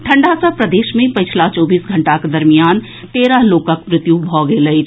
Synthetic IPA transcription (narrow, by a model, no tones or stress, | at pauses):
ʈʰə̃ɳɖasapɾɐd̪eːʃmẽpɐt͡ʃʰlat͡ʃɔːbiːsɡʱə̃ɳʈaked̪ɐɾmijaːn | t̪eːɾaloːkəkmɾɪt̪jubʱɔɡeləi